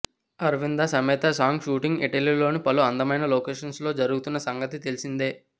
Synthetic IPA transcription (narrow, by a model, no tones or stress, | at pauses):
ɐɾʋind̪asɐmɛːt̪ɐsaːŋɡʃuːʈiŋɡḭʈɐlilo̞ːnipɐluɐnd̪ɐmɐjnɐloːkeːʂɐnslo̞ːd͡ʒɐɾuɡut̪unːɐsɐŋɡɐt̪it̪e̞lisind̪eː